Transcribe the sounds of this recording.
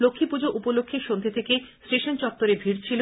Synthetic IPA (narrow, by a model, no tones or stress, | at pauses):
lokʰːipud͡ʑoʔupolokʰːeʃond̪ʱet̪ʰekesʈeʃont͡ɕɔk̚t̪oɾebʱiɾt͡ɕʰilo